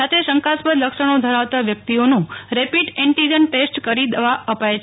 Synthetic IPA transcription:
at̪ʰeʃəŋkaspəd̪ləkʃəɽ̃od̪ʱəɾaʋt̪aʋjək̚t̪ionũɾepiʈɛɳʈid͡ʒənʈesʈkəɾid̪ʋaəpajt͡ʃ

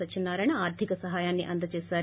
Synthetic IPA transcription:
ɐt͡ʃinːaːɾɐɳɐaːɾd̪ʱikɐsɐɦaːjaːnːḭʔɐnd̪ɐt͡ʃeːsaːɾ

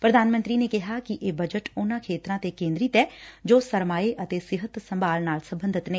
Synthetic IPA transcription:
pɾəd̪ʱaːnmə̃nt̪ɾinekɪɦakiʔeːbəd͡ʒəʈʊnãkʰeːt̪ɾãːt̪ekẽːnd̪ɾɪt̪ɛːd͡ʒoːsəɾmaːeʔət̪esɪɦət̪sɐmbaːlnaːlsɐ̃mbə̃nd̪ʱɪt̪nẽː

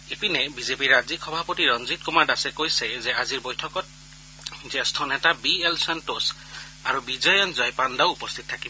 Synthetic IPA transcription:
epinɛbizepiɹːazikʰɔbʱapotiɹɔnzit̚kumaɹdasɛkojsɛzɛaziɹbojtʰɔkɔt̚ | zɛstʰɔnɛtabiɛlsantos | aɹubizɔjɔnzɔjpandaʊupɔst̪ʰit̚tʰːakibɔ

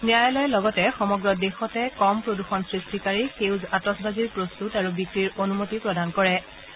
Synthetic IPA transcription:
nijajɔlɔjɛlɔɡɔtɛxɔmɔɡɹɔdexɔtɛkɔmpɹoduxɔnsɹistikaɹixewzatɔsbaziɹpɹostutaɹubikɹiɹonumotipɹɔdʱankɔɹɛ

